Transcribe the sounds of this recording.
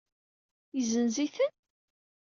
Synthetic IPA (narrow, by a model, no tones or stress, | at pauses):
jəzənziθən